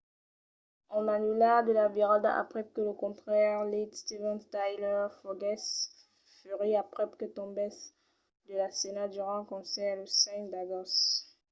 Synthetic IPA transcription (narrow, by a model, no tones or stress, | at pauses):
ɔ̃nanylad̪əlaviʁãd̪a̰ʔa̰pχɛkələkɔ̃tχɛʁlid̪st̪ivɛ̃nt̪ajlœʁfɔɡɛs | fyʁiapχɛp̚kət̪ɔ̃bɛs | d̪əlasenad̪yʁɑ̃kɔ̃sɛʁd̪əsɛ̃d̪aɡɔs